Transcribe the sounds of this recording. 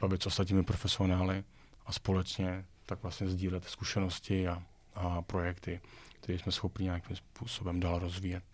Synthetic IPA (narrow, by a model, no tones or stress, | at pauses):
avɛsʔost̪at̪̬ɲiːmɪpɾo̞fɛsɪo̞naːlɪ | ʔaspo̞lɛt͡ʃɲɛt̪akvlast̪ɲɛzɟiːlɛt̪skuʃɛno̞scɪa | pɾo̞jɛkt̪ɪkt̪ɛɾiːsmɛsxopɲɪɲeakiːmspuːsobɛmdaːlɾo̞zviːjɛt̪